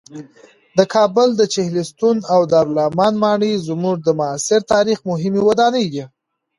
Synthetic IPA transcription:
d̪əkʰɑbʊld̪ət͡ʃɪhlist̪unawd̪aɾlɑmɑnmɑɳəjzmuʐd̪əmʊasɪɾt̪ɑɾixmʊɦɪmewad̪ɑnəjd̪i

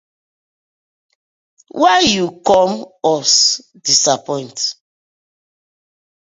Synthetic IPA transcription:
wʔajjukɔmɔs | disapɔ̃ɪ̃nt

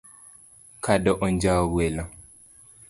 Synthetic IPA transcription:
kʰadɔʔɔɲd͡ʒawɛlã

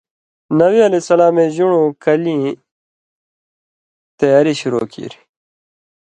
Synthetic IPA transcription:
nɐwiɐlesɐlaːmẽʑuɳũkɐlĩ | t̪ɐjaːɾiɕuɾo̰ːkḭɾ

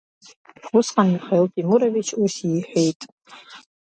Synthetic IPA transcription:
ʊsqʼaniχeltʼimuɾavit͡ʃʰusiħʷᶣejtʼ

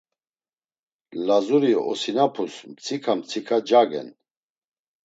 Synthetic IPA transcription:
lazuɾiɔ̰sinapʰusmt͡sʰikʰamt͡sʰikʰad͡ʒaɡɛ̰n

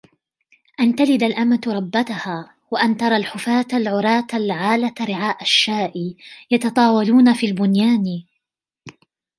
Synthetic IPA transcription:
ʔant̪alɪd̪alʔamat̪ɾˤɑbːat̪ʊhaː | waʔant̪ɑɾˤɑlħʊfaːt̪alʕʊɾˤɑːt̪alʕaːlaɾɪʕaːʔaʃːaːʔɪjɑt̪ɑt̪ˤɑːwɑluːnafiːlbʊnjaːn

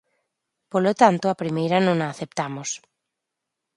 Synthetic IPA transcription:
polot̪ant̪oapɾimejɾɐnõŋaːθep̚t̪amʊs

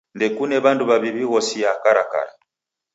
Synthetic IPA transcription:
ndɛkunɛβanduβaβiβiɣɔsijakaɾaka̰ɾa

